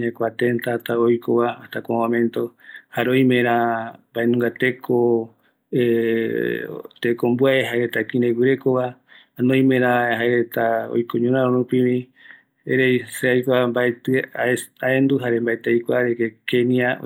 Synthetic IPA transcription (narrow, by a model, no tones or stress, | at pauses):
ɲãkʷat̪ent̪at̪aojkʰoβaːht̪akamãmẽnt̪ohaɾeojmẽɾ̃ambaenũŋɡat̪ekʰo | e | t̪ekombwaeɦaeɾet̪akĩɾewɨɾe̞koβa | anõj̃mẽɾahaeɾet̪ao̰jkoɲũɾãɾõɾũpĩβĩ | eɾejseajkʷambaet̪ɨaaend̪uɦaɾembaet̪eajkʷaɾekekenia̰